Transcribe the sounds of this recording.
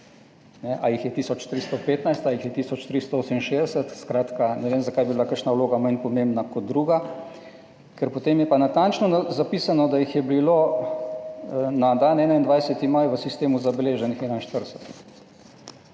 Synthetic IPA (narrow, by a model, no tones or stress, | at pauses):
nɛʔajixjɛt̪iːsɔt͡ʃt̪ɾist̪ɔpeːt̪najst̪ajixjɛt̪iːsɔt͡ʃt̪ɾist̪ɔoːsəminʃed̪ɛsət̪skɾaːt̪kanɛʋeːmzakajbiblakəɾʃnauloːɡamajnpɔmẽmbnakɔd̪̚d̪ɾuːɡa | kɛɾpot̪emjɛpanat̪ant͡ʃnɔzapiːsanɔd̪ajixjɛbilo | nad̪anɛːnaind̪ʋajsət̪imajʋəsist̪eːmuzabɛleːʒɛnixɛːnajnʃt̪əɾsət̪